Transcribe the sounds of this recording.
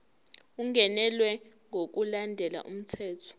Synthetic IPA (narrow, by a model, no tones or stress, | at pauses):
uŋʱɛnɛlwɛ | ŋok̬ulandʱɛla̰ʔṵm̩tʰɛːtʰɔ̥